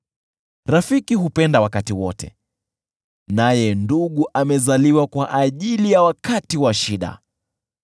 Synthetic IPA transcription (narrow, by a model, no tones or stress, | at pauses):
ɾafikiɦupɛndawakatiwɔtɛ̰ | najɛnduɠuʔamɛzaliwakwaʔaʄilijawakatiwaʃiɗa̰